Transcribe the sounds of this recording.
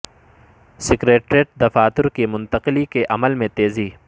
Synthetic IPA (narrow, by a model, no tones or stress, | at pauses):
sɪkɾeːʈɾeːʈ̚d̪ɐfaːt̪ʊɾkimʊnt̪ɐqɪlikeʔɐməlmẽt̪eːziː